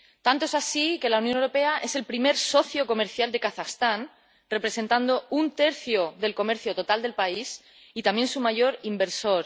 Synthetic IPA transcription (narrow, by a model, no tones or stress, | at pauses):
t̪ant̪oesasike̞launjonewɾo̞pe̞aʔe̞se̞lpɾime̞ɾso̞θjo̞ko̞me̞ɾθjald̪e̞kaθaxst̪an | re̞pɾe̞se̞nt̪and̪o̞unt̪e̞ɾθjo̞ðe̞lko̞me̞ɾθjo̞t̪o̞t̪ald̪e̞lpais | it̪amje̞nsumaʝo̞ɾimbe̞ɾso̞ɾ